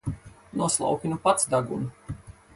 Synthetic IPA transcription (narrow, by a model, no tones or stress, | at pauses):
nuɔslˠa̰wkʲinupat̪sd̪aɡṵn